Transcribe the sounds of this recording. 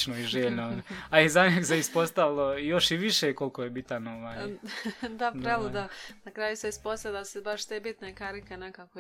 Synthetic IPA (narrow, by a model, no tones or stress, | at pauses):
t͡ʃnoiʒeːʎnooaaizaɲeɡseispo̞st̪aʋilˠoijo̞ʃiʋiʃeko̞lˠkojebit̪ano̞ʋaːj | d̪adp̪ɾelˠud̪anakɾaːjuseispost̪ad̪asebaʃt̪eːbit̪nekaɾikenekaːko